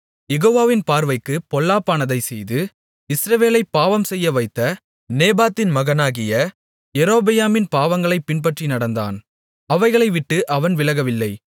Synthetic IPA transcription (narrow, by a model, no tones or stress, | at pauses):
jɛɣoːʋaːʋɪnpaːɾʋɐɪkːɯpɔlːaːpːaːnɐðɐɪsɛjðɯ | ɪsɾɐʋeːlɐɪpːaːʋɐmsɛjːɐʋɐɪt̪ːɐ | neːbaːt̪ːɪnmɐɣɐnaːɣɪjɐ | jɛɾoːbɐjaːmɪnpaːʋɐŋɡɐɭɐɪpːɪnpɐʈrinɐɽɐnd̪a̰ːn | ɐʋɐɪɣɐɭɐɪʋɪʈːɯʔɐʋɐnʋɪlɐɣɐʋɪlːɐɪ